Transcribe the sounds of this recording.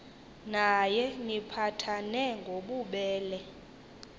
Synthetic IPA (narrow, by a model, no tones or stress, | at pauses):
najɛŋipʰatʰanɛŋɡʱoɓuɓɛːlɛ